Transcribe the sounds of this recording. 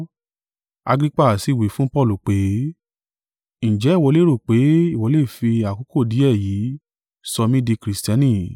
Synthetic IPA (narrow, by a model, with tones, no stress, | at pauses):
a̰˧ɡɾi˦k͡pa˦˨si˨˦˨we˨˦fũ˦pɔ˦˨lu˨k͡pe˨˦ | ñ̩˨d͡ʒɛ˨˦i˦˨wɔ˧le˦ɾo˦˨k͡pe˨˦i˦˨wɔ˨˦le˦˨fi˧a˨ko˨˦ko˦˨di˨˦ɛ˦˨jiː˨˦ | sɔ˧mĩ˦di˧kɾi˨stã˧˦nĩ˦˨